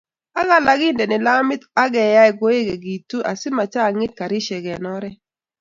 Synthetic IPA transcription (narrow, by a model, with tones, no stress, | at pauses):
a˦ɣa˦la˦ɡɪ˦ndɛ˨nɪ˨la˦mɪ˦t̪a˦ɡɛ˨ja˦ɛ˨ɡo˦e˦ɡe˨ɡi˨tu˦ʔa˨sɪ˦ma˨t͡ʃa˦˨ŋɪ˦t̚ka˨ɾɪ˦ʃɛ˨ɡɛ˨nɔ˦ɾɛ˦